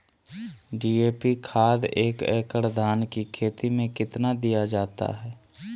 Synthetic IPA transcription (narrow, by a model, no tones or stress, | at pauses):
ɖiːeːpikʰaːd̪eːkɛ̰ːkəɽd̪ʱaːnkikʰeːt̪imẽkɪt̪nad̪ijad͡ʒaːt̪a̰ɦɛː